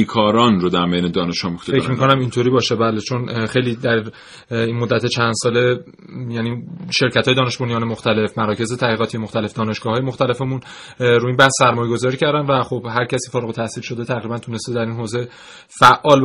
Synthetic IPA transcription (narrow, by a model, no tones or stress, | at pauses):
ikʰɒːɾɒːnɾod̪æɾmejned̪ɒːneʃɒːmoxt̪fecmikko̞næmint̪ʰoɾiːbɒːʃebælet͡ʃʰo̞nxejliːd̪æɾ | inmod̪ːæt̪ʰe̞t͡ʃʰænd̪̥sɒːle̞ | jæniʃe̞ɾcʰæt̪ʰɒːjeɒːneʃbonijɒːnemoxt̪æle̞fmæɾɒːce̞zet̪ʰæɣiːɣɒːt̪ʰijemoxt̪æle̞fd̪ɒːne̞ʃɡ̥ɒːɦːjemoxt̪æle̞femun | ɾuːiːnbæhsːæɾmɒːjeɡo̞zɒːɾiːcʰæɾd̪ænvæxobhæɾcʰæsiːfɒːɾeɣot̪ʰæsiːlʃo̞d̪et̪ʰæɣɾibænt̪ʰune̞st̪ed̪æɾinɦoːze̞ | fæʔːɒːl